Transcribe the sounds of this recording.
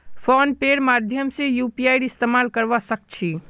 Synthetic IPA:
fʰɔːnpeːɾmaːd̪ʱjəmsejuːpiaːɪɽɪst̪eːmaːlkəɾʋasək̚t͡ʃʰi

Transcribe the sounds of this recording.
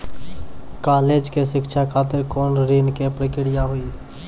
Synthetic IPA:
kaːleːd͡ʒkeʃɪkʃʰakʰaːt̪ɪɾkoːnɾeːnkepɾəkɪɽɪjaɦʊi

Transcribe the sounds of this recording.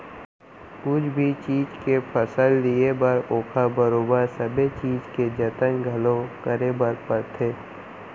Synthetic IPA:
kʊd͡ʒʰbʱit͡ʃiːd͡ʒkepʰəsəlːijebəɾoːkʰabəɾoːbəɾsəbet͡ʃiːd͡ʒked͡ʒət̪əŋɡʱəlõkəɾebəɾpəɾt̪ʰeː

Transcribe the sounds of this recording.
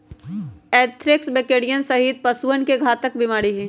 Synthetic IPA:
ɛːt̪ʰɾɪksbeːkeːɽijənsɐɦiːt̪̚pɐsuənkeɡʱaːt̪ək̚bɪmaːɽiɦɛ̃ː

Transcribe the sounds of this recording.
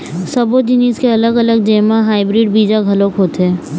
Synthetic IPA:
sɐbod͡ʒɪniːskeɐləɡələɡ̚d͡ʒeːmaɦaːɪbɾiːɖbiːd͡ʒaɡʱɐlokɦoːt̪ɦɛ̃ː

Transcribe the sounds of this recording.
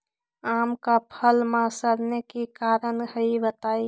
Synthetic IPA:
aːmkapʰəlmãsəɾnekikaːɾənhəibət̪aːi

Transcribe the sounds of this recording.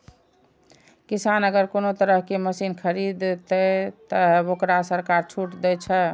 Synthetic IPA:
kisanəɡəɾkonot̪əɾəɦkeməsinkʰəɾid̪t̪ɛt̪əokɾasəɾkaɾt͡ʃʰuʈd̪ɛt͡ʃʰɛ

